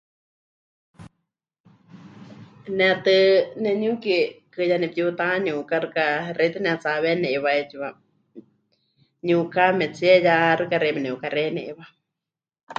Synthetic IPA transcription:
nɛt̪ɨnɛɲukikɨjanɛp̚jut̪aɲũkaɾɨkaɾʔet̪ɨnɛat͡saβenɛβaet͡ʃiβa | ɲukamɛt͡siɛjaɾɨkaɾemɛnɛukaɾenɛ̰ʔβa

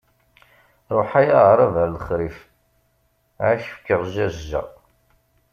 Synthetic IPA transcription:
ɾˤoħæjaʁɾˤavæɾləχɾif | ʕaçə̥fkːəʁʒæzʒæ̰

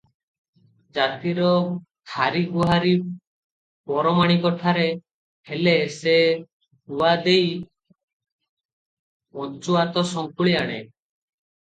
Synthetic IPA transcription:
d͡ʒat̪iɾɔt̪ʰaɾiɡuɦaɾi | pɔɾɔmaɽ̃ikɔʈʰaɾe | helese | huwad̪ej | ot͡ʃuat̪ɔsɔŋkuɭiaɽ̃ḛ

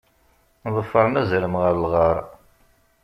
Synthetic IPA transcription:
ðˤəfːɑɾˤnæzæləmʁəɾlʁɑɾˤ

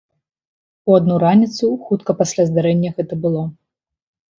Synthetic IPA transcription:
uad̪nuɾanʲit̪suxut̪kɐpasʲlʲazd̪aɾɛnʲːɐɣɛt̪ɐbɨlˠɔ

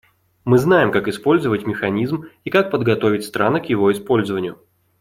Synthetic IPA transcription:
mɨznajɪmkakɪspo̞lʲzəvətʲmʲɪxɐnʲizmikak̚pəd̪ɡɐt̪o̞vʲɪtʲst̪ɾanɨkjɪvo̞ɪspo̞lʲzəvənʲɪjʊ

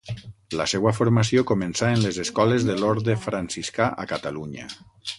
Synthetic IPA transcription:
lasɛwafoɾmasiokomensaenlezeskɔlezðeloɾðefɾansiskaʔa̰kat̪aluɲə̰

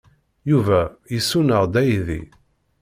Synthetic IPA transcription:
juvæjəsːunəʁd̪æjðḭ

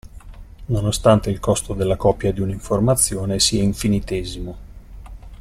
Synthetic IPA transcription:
nonost̪ant̪eilkɔst̪od̪elːakɔpːjad̪iuniɱformat̪sːjoːnesiaiɱfinit̪ezimo

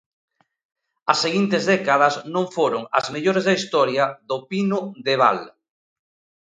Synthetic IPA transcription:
ɐsːeɣint̪ezðɛkaðɐsnõŋfoɾʊŋɐ̰zmeʎoɾezðɐist̪ɔɾjɐðopinʊðeβa̰l

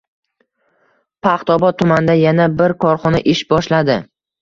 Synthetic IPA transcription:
pʰaχt̪ɒbɒt̪̚ʰːʊmand̪ajanabɪɾkʰɒɾχɒnaʔɪʃbɒʃlad̪ɪ

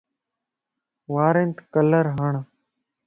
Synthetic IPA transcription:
ʋaːɾent̪kələɾɦəɳ

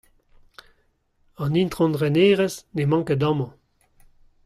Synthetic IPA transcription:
ɑ̃nint̪χɔ̃ndʁɛneːʁɛsnemɑ̃ŋkədɑ̃mɑ̃

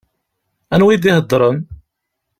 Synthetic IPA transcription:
ænwiðihəd̪ˤːɾˤən

